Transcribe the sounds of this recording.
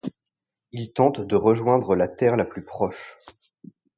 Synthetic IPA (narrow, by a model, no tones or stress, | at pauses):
ilt̪ɑ̃t̪d̪əʁəʒwɛ̃d̪ʁəlat̪ɛʁlaplypχɔʃ